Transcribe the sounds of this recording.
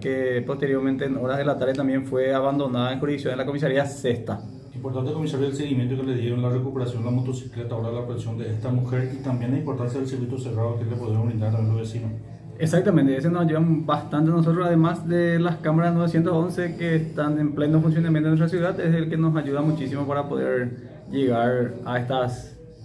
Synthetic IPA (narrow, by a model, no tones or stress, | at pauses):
kepo̞st̪eɾjo̞ɾment̪eːnoɾaðe̞lat̪aɾðet̪ambjenfwe̞aβand̪o̞naðaeŋxuɾiðiksjonlakomis̬aɾiasest̪a | impoɾt̪ant̪ekomisaɾjoðelseɣimjẽnt̪̬okeleðjeoenlarekupeɾasjonlamot̪osi̥klet̪aoɾaðelakesjond̪eeht̪amuxeɾit̪ambjenlaimpo̞ɾt̪ansjaðelsiɾkwit̪useɣaðokelepoðɾeaoɾind̪aɾanet̪ɾohβesinos | eksak̚t̪amẽnt̪ees̬enosaʝuðabast̪ant̪enos̬ot̪ɾosaðemasðelaskamaɾasno̞βesje̞nt̪oonsekeːst̪anemplenofuns̬jo̞namjẽnt̪onwes̬t̪ɾas̬juðad̪eselkeno̞saʝuðamut͡ʃisimopaɾapoðeɾ | d͡ʒe̞ɣaɾaest̪as